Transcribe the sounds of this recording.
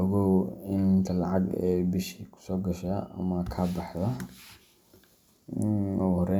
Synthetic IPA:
ɔɣɔwɪnt̪ʰɐlɑʕɑɡɛ̰bɪʃiːkʰʊ̥sɔːɡɐʃɐʔɐ̰mɐkʰɐbɑħðɐ | ɔɣhrɛ

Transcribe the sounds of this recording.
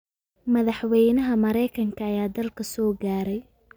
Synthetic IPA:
mɐðɑħwɛjnɐɦɐmɐɾɛjkʰɐŋkʰɐːjaːd̪ɐlkʰɐsɔːɡaːɾɛj

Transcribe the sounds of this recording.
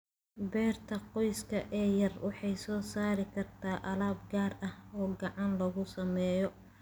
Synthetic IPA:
bɛːrt̪ʰɐqɔjskʰɐʔɛːjɐrwɑħɑjsɔːsaːɾɪkʰɐrt̪ʰaːʔɐlaːbɡaːrɐhɔːɡɑʕɑnlɐɣʊsɐmɛːjɔ

